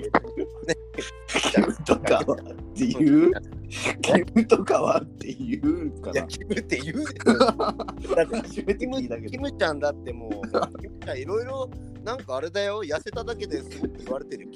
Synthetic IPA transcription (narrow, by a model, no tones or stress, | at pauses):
ne | kʲʰimɯ̟t̪okaat̪ːe̞jɯː | kʰʲimɯ̟t̪okaβat̪ʰːejɯkajakʲimɯt̪ːe̞jɯ | d̪at̪ːeʑimet̪imɯid̪akeimɯ̟t͡ɕãnd̪at̪ːe̞mokʲimɯ̟t͡ɕãiɾo̞iɾo̞ | nãŋkaːɾed̪ajo̞jase̞t̪ad̪ake̞d̪e̞sɨot̪ːeiβaɾet̪e̞ɾɯ̟kʲ